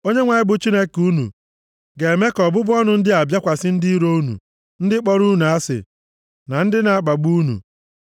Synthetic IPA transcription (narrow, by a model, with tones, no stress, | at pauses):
o˦ɲe˦ŋʷa˨ɪ˦bʊ˨t͡ʃi˦ne˦ku˦nṵ˨ | ɡe˨e˨me˦kɔ˨bʊ˦bʊ˦ɔ˦nʊ˦n̩˦dɪ˦a˨bja˦kʷa˨sɪ˦n̩˦di˦i˦ɾo˦u˦nṵ˨ | n̩˦dɪ˦k͡pɔ˦ɾu˦nu˨a˦sɪ̰˨ | na˨n̩˦dɪ˦na˨a˨k͡pa˨ɡ͡bu˦nṵ˨